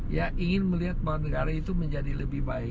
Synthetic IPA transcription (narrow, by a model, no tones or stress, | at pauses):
jaiŋɪnməliɦat̪̚baanəɡaɾait̪uməɲd͡ʒadiləbɪhbaɪ